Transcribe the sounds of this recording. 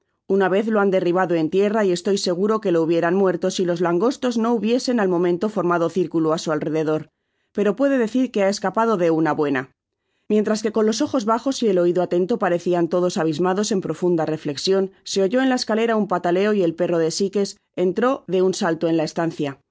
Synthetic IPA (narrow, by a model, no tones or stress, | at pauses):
unaβe̞θlo̞and̪e̞riβ̞aðo̞e̞nt̪je̞raie̞st̪o̞jse̞ɣ̞uɾo̞ke̞louβ̞je̞ɾanmwe̞ɾt̪o̞silo̞zlaŋɡo̞st̪o̞zno̞uβje̞se̞nalmõ̞mẽ̞nt̪o̞fo̞ɾmaðo̞θiɾkuluasualre̞ðe̞ð̞o̞ɾ | pe̞ɾo̞pwe̞ðe̞ðe̞θiɾke̞ae̞skapað̞o̞ðe̞unaβwe̞na | mje̞nt̪ɾaske̞ko̞nlo̞so̞xo̞zβaxo̞sie̞lo̞iðoat̪e̞nt̪o̞paɾe̞θiant̪o̞ðo̞saβ̞izmaðo̞se̞mpɾo̞fund̪are̞fle̞ksjo̞nse̞o̞ʝo̞enlaeskale̞ɾaumpat̪ale̞o̞ie̞lpe̞ro̞ð̞e̞sike̞s | e̞nt̪ɾo̞ðe̞unsalt̪o̞e̞nlae̞st̪an̟θja